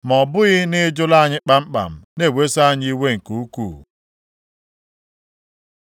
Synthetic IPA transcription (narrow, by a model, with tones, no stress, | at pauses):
mɔ˨bʊ˦ɣɪ˦nɪ˦d͡ʒʊ˦la˦˨ɲɪ˦k͡pa˦m̩˦k͡pa̰˨m̩˨ne˦˨we˦sa˦˨ɲi˦we˦ŋ̩˨ku˨u˦kṵː˦˨